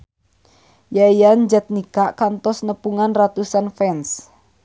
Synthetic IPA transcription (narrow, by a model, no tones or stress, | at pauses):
jaijand͡ʒət̪̚nikaʔkant̪ɔsnəpuŋanrat̪usanfɛns